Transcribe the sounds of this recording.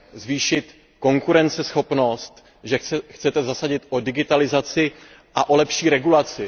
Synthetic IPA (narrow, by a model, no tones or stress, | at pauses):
zviːʃɪt̪ | ko̞ŋkuɾɛnt͡sɛsxo̞pno̞st̪ | ʒɛxt͡sɛt̪ɛzasaɟɪt̪ʔo̞dɪɡɪt̪alɪzat͡sɪ | ʔaʔo̞lɛpʃiːɾɛɡulat͡sɪ